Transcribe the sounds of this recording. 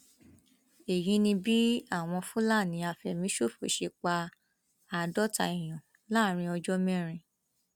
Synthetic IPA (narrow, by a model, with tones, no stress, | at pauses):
e˨jĩ˧˦nĩ˧bi˦a˦˨w̃ɔ̃˧fũ˦la˦˨nĩ˨˦a˧fɛ˨mĩ˨˦ʃo˦˨fo̰˨ʃe˧k͡pa˧ | a˨dɔ˦ta̰˧˨i˨j̃ɔ̃˨ | la˦˨ɾ̃ĩ˧ɔ˧d͡ʒɔ˦mɛ̃˦ɾ̃ĩ˧